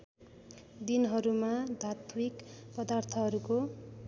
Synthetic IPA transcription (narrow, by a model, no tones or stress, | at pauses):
d̪inɦʌɾumad̪ʱat̪mikpʌd̪art̪ʰʌɦʌɾuko